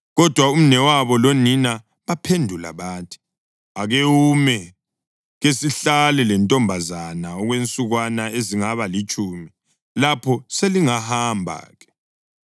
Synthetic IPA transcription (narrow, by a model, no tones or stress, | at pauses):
ɣɔd̥ʱwaum̩nɛwaβɔlonina | βapʰendʱula̰βaːntʰi̥ | aɣewumɛ | ɣesiɬalɛlɛntʼɔmbʱazanaɔɣwent͡sʼuɣwanaeziŋaβalit͡ʃʼuːmi | lapʰɔseliŋahambʱa̰ːɣɛ̥